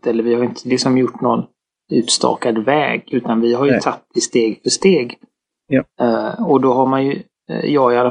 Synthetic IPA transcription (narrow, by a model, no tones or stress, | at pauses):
t̪ɛlːəɾvɪhaɾɪnt̪ʰəlɪksɔmjʊʈːnɔn | ʉ̟ːt̪st̪ɑ̰ːkad̪vɛ̰ːɡʉ̟ːt̪anvɪɦaɾjɵt̪ʰat̪ːɪst̪eːɡfœʂt̪eːɡ | ɔd̪ɔɦaɾmanjɵ | jɑːɪalːa